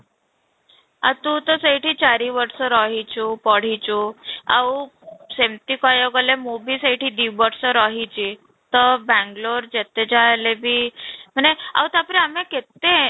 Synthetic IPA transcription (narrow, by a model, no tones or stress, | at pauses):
a̰t̪ut̪əsəiʈʰit͡ɕaɾiʋəɾsəɾɔɦit͡ɕupɔɽ̤it͡ɕua̰usemt̪ikajoɡalemubʱiːsəiʈʰiːd̪iwʋəɾsəɾɔɦit͡ɕi | t̪əbɛ̃ŋɡloɾd͡ʑet̪ed͡ʑalebʱiːm̤əɳea̰wt̪aapɾeameket̪ːe